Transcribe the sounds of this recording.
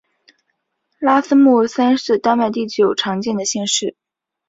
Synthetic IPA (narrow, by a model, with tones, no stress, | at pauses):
la˥sə˥mu˥˩sa˥nʂɻ̩˥˧t̪a˥nma˥˧ɪt̪i˥˩t͡ɕjo˨˩ʊʈ͡ʂʰɑ˧˥ŋt͡ɕjɛ˥˩nd̪ə˩ɕjɛ˥˧nʂɻ̩˥˩